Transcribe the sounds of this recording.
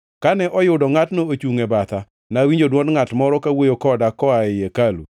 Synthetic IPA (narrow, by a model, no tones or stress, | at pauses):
kanɛʔɔjʊdɔŋatnoot͡ʃuŋebat̪a | nawiɲd͡ʒodwɔndŋatmɔɾɔkawojokɔdakɔaɪjekalṵ